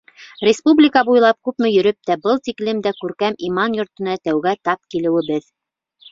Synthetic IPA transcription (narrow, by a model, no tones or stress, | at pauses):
rʲɪspublʲɪkɑbujlˠɑp̚kʉpmɘ̆jɵ̆ɾɵp̚t̪æbɤlˠt̪iklɘmd̪ækʉɾkæmimɑnjŏɾt̪ɤ̆nɑt̪æwɡæt̪ɑp̚kilɘ̆wɘ̆bɘð